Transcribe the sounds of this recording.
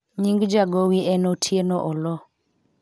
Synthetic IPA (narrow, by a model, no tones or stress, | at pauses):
ɲiŋɡd͡ʒaɡowiɛnotʰjenɔʔɔlɔ